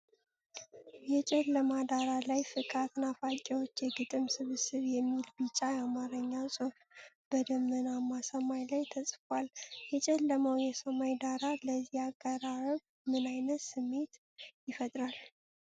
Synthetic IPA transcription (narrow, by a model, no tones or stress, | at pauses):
jɛt͡ʃʼɛlːəmad̪aɾalajfɨkʼat̪nafakʼewo̞t͡ʃːjɛɡɨt̪ʼɨmsɨβɨsɨβjɛmːilbɨt͡ʃʼːajamaɾəɲːasʼof | b̥əd̪əmːənamasəmajlajt̪ʰəsʼfwaljɛt͡ʃʼɛlːəməwjɛsəmajd̪aɾaləzːihakːəɾaɾəβ | mɨnajnət̪sɨmːe̞t̪ | jɪfət̪ʼɾal